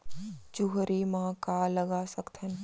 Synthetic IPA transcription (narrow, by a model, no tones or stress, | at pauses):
d͡ʒuɦɾimãkaːləɡasəkt̪ʰən